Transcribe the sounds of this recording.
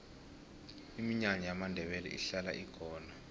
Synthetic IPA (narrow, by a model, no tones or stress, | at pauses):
imiɲaɲɔjamandʱɛɓɛlɛ̰ʔḭɬala̰ʔiɡ̥ʰʱɔːna